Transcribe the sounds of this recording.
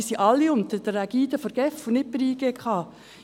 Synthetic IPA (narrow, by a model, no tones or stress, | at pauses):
siʔɑlːiʊnt̪əd̥əɾæɡ̥iːd̥̪əfəɾɡ̥ɛfunɪt̚pɪɾiːɡ̥eːkʰɑː